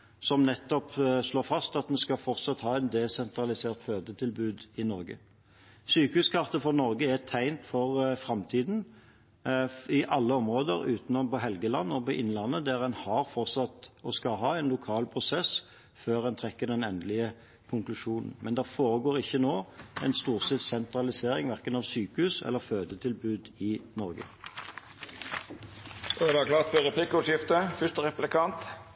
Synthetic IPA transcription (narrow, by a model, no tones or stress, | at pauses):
sɔmnɛt̪ːɔpʂloːfɑst̪ɑt̪mɛnskɑfɔʁt̪sɑt̪hɑːæɛt̪d̪ɛsɛnt̪ɾɑlɪseːʁt̪føːd̪ət̪ʰɪlbʉːd̪ɪnɔɾɡə̰ | syːkəhʉːskʰɑʁt̪əfɔnɔɾɡəæt̪ʰæɪnt̪fɔʁfɾɑmt̪ʰiːd̪n̩ | ɪʔɑlːəɔmʁoːd̪əɾʉːt̪nɔnpɔɦɛlɡəlɑnːɔpɔʔɪnlɑnːəd̪æɾɛnhɑɾfɔʁt̪sɑt̪ɔskɑɦɑːɛɪnlʊkʰɑːlpʰʁʊsɛs | føːʁɛnt̪ʰʁɛkːəd̪ɛnɛnd̪əlɪə | kʰʊŋklʉʂuːnə̰n̩mɛnd̪æfoːɾəɡoːʁɪçːənoːɛɪnst̪uːʁsɛt̪sɛnt̪ɾɑlɪseːɾɪŋʋæʁkənɑʋsyːkəhʉːsɛ̰lːəʁføːd̪ət̪ʰɪlbʉːd̪ɪnɔʁɡə̰ | d̪ækʰlɑːt̪fɔɾɛpʰlɪkʊʂɪft̪əfʏʂt̪əʁɛplɪkʰɑnt̪